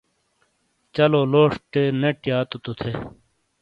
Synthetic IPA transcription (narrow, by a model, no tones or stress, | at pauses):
t͡ɕɐloloːʂʈeneʈjaːt̪ot̪ut̪ʰe